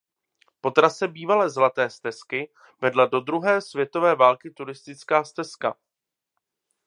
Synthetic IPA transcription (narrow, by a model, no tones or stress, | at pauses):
po̞t̪ɾasɛbiːvalɛːzlat̪ɛːst̪ɛskɪ | vɛdlado̞d̪ɾuɦɛːsvjɛt̪o̞vɛːvaːlkɪt̪uɾɪst̪ɪt͡skaːst̪ɛska̰